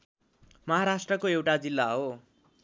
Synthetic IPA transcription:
mʌɦaɾasʈrʌkoewʈad͡zilːaɦo

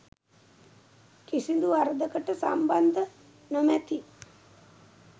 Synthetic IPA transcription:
kisind̪uaɾəd̪əkəʈəsa̰mband̪ə | nomæt̪i

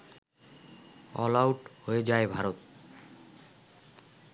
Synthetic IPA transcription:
ɔ̰lawʈhoed͡ʑaebʱaɾot̪̚

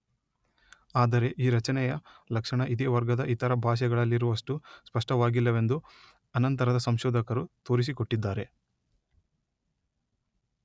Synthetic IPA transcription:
aːd̪ɐɾe̞ʔiːɾɐt͡ʃɐnɛjɐlɐkʂɐɳɐʔid̪eːʋɐɾɡɐd̪ɐʔit̪ɐɾɐbʱaːʃ̬ɐɡɐɭɐlːiɾuʋɐʂʈuspɐʂʈɐʋaːɡilːɐʋe̞nd̪u | ɐnɐnt̪ɐɾɐd̪ɐsɐmʃɔːd̪ɐkɐɾut̪o̞ːɾis̬ikoʈːid̪ːaːɾe̞

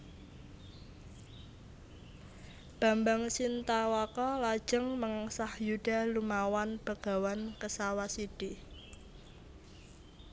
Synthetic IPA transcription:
b̥a̤mbaŋsint̪awakɔlad̥d͡ʒ̥ə̤ŋməŋasahjuɖ̥a̤lumawanb̥əɡ̥a̤wankəsawasiɖ̥i

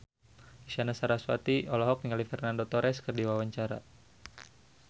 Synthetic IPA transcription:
iʃanasaɾaswa̰t̪iɔlɔɦɔk̚niŋalifɛrnandot̪ɔɾɛskərdiwawaɲt͡ʃaɾa̰

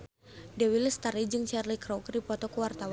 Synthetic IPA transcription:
dɛwiləst̪aɾid͡ʒɨŋt͡ʃɛrlikɾɔwkdipɔt̪ɔkəwart̪awa

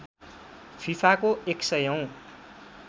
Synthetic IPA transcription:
fʰipʰakoeksʌjʌw̃

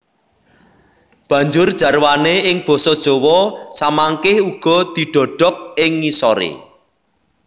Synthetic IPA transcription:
b̥ä̤ɲd͡ʒʊrd̥ʒ̥ä̤rwaneɪŋb̥ɔ̤sɔd̥ʒ̥ɔ̤wɔsamaŋkɪhuɡ̥ɔ̤d̪̥i̤ɖ̥ɔ̤ɖ̥ɔ̤k̚ɪŋːisɔɾḛ

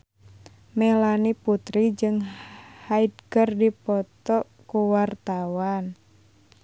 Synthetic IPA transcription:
mɛlaniput̪ɾid͡ʒɨŋhaidkərdipɔt̪ɔ | kuwart̪awan

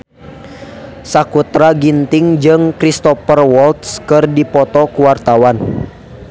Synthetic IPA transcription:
sakut̪ɾaɡint̪ɪŋd͡ʒɨŋkɾist̪ɔpərwɔlt̪skɨrdipɔt̪ɔkuwart̪awan

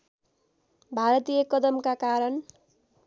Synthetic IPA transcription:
bʱaɾʌt̪ijʌkʌd̪ʌmkakaɾʌn

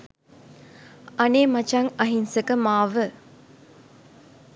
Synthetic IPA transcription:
aneːmat͡ʃaŋɐɦinsəkəmaːʋə

